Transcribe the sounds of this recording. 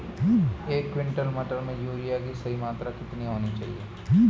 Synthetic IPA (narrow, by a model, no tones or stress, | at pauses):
eːkːʋɪ̃ɳʈəlmɐʈəɾmẽjuːɾijakisɐɦimaːt̪ɾakɪt̪niɦoːnit͡ʃa̰ːɦḭeː